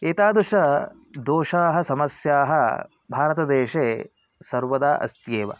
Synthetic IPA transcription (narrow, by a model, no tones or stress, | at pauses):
eːt̪aːd̪uʂɐ | d̪oːʂaːɦɐsɐmɐsjaːɦɐ̰ | bʱaːɾɐt̪ɐd̪eːʂeː | sɐɾʋɐd̪aːʔɐ̰st̪jeːʋɐ̰